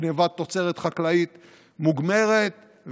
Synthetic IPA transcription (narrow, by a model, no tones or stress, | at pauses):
nevat̪ːot͡seʁet̪χaklait̪ | muɡme̞ʁet̪ | v